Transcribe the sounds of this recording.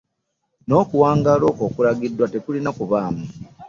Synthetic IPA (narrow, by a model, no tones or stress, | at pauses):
no̞ːkuwaːŋɡalo̞ːko̞ːkulaɡidwatekulinakuβaːmu